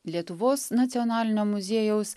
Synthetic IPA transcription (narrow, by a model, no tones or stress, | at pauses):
lʲiɛt̪ʊʋoːsnɐt̪sʲɪɔnɑːlʲɪnʲoːmʊzʲeɛjɛʊs